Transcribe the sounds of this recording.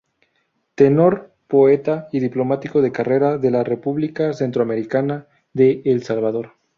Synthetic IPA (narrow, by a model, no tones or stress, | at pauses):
t̪e̞no̞ɾ | po̞e̞t̪aiðiplo̞mat̪iko̞ðe̞kare̞ɾaðe̞lare̞puβlikase̞nt̪ɾoame̞ɾikana | ðe̞ːlsalβaðo̞ɾ